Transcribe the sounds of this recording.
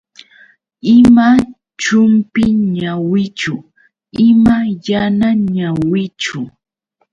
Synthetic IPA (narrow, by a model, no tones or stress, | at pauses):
ɪma | t͡ʃʊmpɪɲawɪt͡ʃʊ | ɪmajanaɲawɪt͡ʃʊ